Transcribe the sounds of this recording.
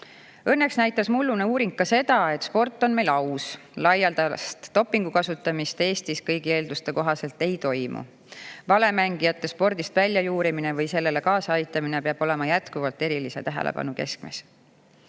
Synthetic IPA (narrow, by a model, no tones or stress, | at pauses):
ɤnːe̞ksnæjt̪ːˑɑsmulːuneuːɾiŋkkːɑse̞d̪̥ɑe̞t̪ːˑspo̞rt̪ˑːo̞nme̞jlɑwslɑjɑld̪ɑst̪ːo̞pːˑiŋɡ̥ukɑsut̪ːˑɑmist̪e̞ːst̪iskɤjɡ̥ie̞ːld̪ust̪e̞ko̞ɦɑse̞lt̪e̞jt̪o̞jmṵ | vɑle̞mæŋɡ̥ijɑt̪ˑːe̞spo̞rd̪ist̪vælʲːjɑjuːɾimine̞vɤjse̞lːe̞le̞kɑːsɑɑjt̪ːˑɑmine̞peɑb̥o̞le̞mɑjæt̪kuvɑlt̪ːˑe̞ɾilise̞̰t̪æɦḛlḛpɑ̰nuke̞sk̚mḛs